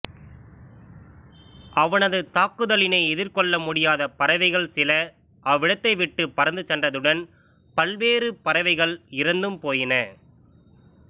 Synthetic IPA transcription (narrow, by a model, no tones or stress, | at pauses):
ʔɐʋɐnɐðɯt̪aːkːɯðɐlɪnɐɪɛðɪrkɔɭːɐmʊɽɪjaːðɐpɐɾɐʋɐɪɣɐɭsɪlɐ | ʔɐʋːɪɽɐt̪ːɐɪʋɪʈːɯpːɐɾɐnd̪ɯt͡ʃɛndrɐðɯɽɐn | pɐlʋeːrɯpɐɾɐʋɐɪɣɐɭɪɾɐnd̪ɯmpoːjɪnɐ